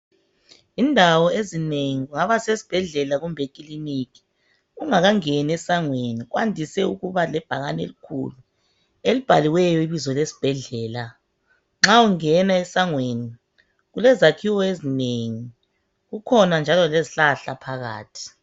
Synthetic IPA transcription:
indʱawɔezineŋiɣuŋaβasesi̥b̥ʱɛɮɛlaɣumbʱekʼilinikʰi̥ | uŋaɣaŋenɛsaŋweniɣwandʱisɛuɣuβalɛb̥ʱaɣanḛlikʰṵlu | elib̥ʱaliwɛjɔiβizɔlesi̥b̥ʱɛɮɛːla | ŋ͡ǁauŋɛnaɛsaŋweni | ɣulɛzakʰiwɔezineŋi | ɣukʰɔnand͡ʒʱalɔleziɬaɬapʰaɣa̰ːtʰi̥

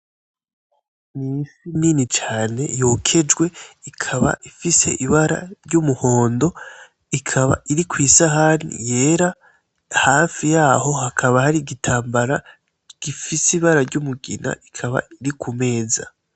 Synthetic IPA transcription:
nisiniːnit͡ʃaːne̞̰joːkʰe̞d͡ʒwe̞ikʰaβa̰ʔifise̞̰ʔiβaɾa̰ɾɟumuho̞ːndo̞ | ikʰaβa̰ʔiɾikwiːsaɦaːnḭje̞ːɾa | haːfijaːho̞hakʰaβahaɾiɡitʰaːmbaɾa | ɡ̥ifisiβaɾaɾɟumuɡḭna̰ʔikʰaβa̰iɾikʰume̞ːza̰

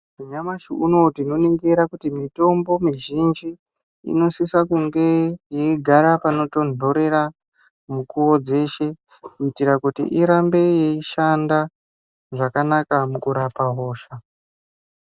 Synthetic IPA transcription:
muɲamaʃiʔuno̞tino̞neŋɡeɾakutimito̞mbo̞miʒind͡ʒḭː | no̞sisakuŋɡe̞jeiɡʱaɾapano̞to̞no̞ɾe̞ɾa | mukuwo̞d͡ze̞ʃe̞ | kuitiɾakutḭʔiɾambe̞jeiʃanda | ʐakanakamukuɾapaɦo̞ːʃa

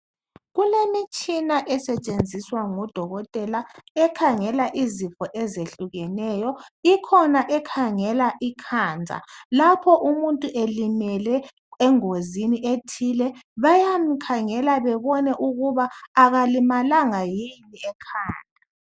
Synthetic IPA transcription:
ɣulemit͡ʃʼinaʔɛsɛt͡ʃʼend͡zʱiswaŋɔd̥ʱɔɣɔtʼɛlaɛkʰaŋɛlaʔizifɔʔɛzeɬuɣɛnɛjɔikʰɔnaʔɛkʰaŋɛlaʔikʰaːnd͡zʱa̰lapʰɔʔumuntʼuʔelimɛlɛ | ɛŋoziniʔetʰilɛβajam̩kʰaŋɛlaβɛβɔnɛʔuɣuβaːɣalimalaŋajiniɛkʰaːna

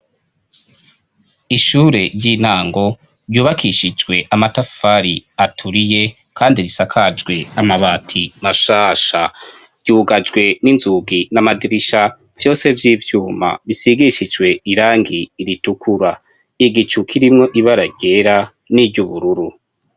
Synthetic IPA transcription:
iʃuːɾe̞ɾjiːn̥aːŋɡo̞ | ɾjuːβakʰiʃid͡ʒɡwe̞ʔamatafaɾiatʰuɾije̞ | kaːndiɾisakʰad͡ʒɡwe̞amaβaːtʰimaʃaːʃa | ɾɟ̥uːɡad͡ʒɡwe̞ninzuɡinamadiɾiʃa | v̥jo̞ːse̞vjiːvjuːma̰βisiɡiʃid͡ʒɡwe̞iɾaːŋɡiːɾitukʰuɾa | iɡit͡ʃukʰiɾimŋo̞ʔiβaɾaɟe̞ɾa | niɟuβuɾuɾu

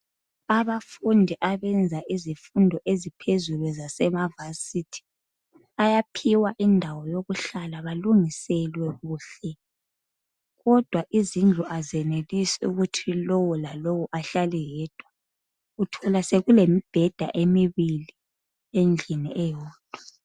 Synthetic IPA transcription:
aβafundʱiʔaβɛnd͡zʱaʔizifundʱɔʔezipʰezulwɛzasɛmavasitʰi̥ | ajapʰiwaʔindʱawɔjoɣuɬalaβaluŋisɛlwɛɣuːɬɛ | ɣɔd̥ʱwaʔizind͡ɮʱuʔazɛnelisɛṵɣutʰilowulalowuʔaɬalɛjɛːd̥ʱwa | utʰɔlaseɣulemib̥ʱɛd̥ʱa̰ʔemiβili | end͡ɮʱiniʔɛjɔːd̥ʱwa

